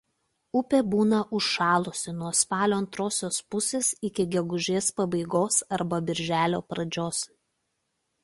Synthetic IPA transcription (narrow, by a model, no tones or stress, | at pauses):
ʊpʲeːbuːnɐʔʊʃʃɑːlˠʊsʲɪnuɔspɑːlʲoːɐnt̪ɾoːsʲoːspʊsʲeːsɪkʲɪɡʲɛɡʊʒʲeːspɐbɐɪɡoːsɐɾbɐbʲɪɾʲʒʲæːlʲoːpɾɐd͡ʒʲoːs